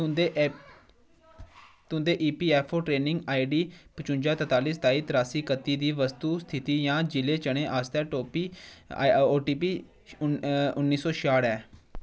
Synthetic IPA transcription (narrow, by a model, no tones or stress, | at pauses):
t̪ʊ̃nd̪eːʔiːpiːɛːpʰoːʈɾeːnɪŋɡaːiɖiːpət͡ʃʊ̃nd͡ʒaːt̪ət̪aːliːst̪aːiːt̪ɾaːsiːkət̪ːiːd̪iːʋəst̪uːst̪ʰɪt̪iːjãːd͡ʒɪleːt͡ʃəɽ̃ẽːʔaːst̪ɛːʈoːpiː | oːʈiːpiː | ʊnːiːsɔːʃaːɽɛː